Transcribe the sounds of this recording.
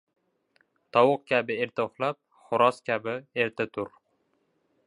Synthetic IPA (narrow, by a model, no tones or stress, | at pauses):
t̪ʰɒwʊq̚kʲʰabɪeɾt̪ʊχlˠap̚ | χʊɾɒskʲʰabɪeɾt̪ʰɪt̪ʰʊɾ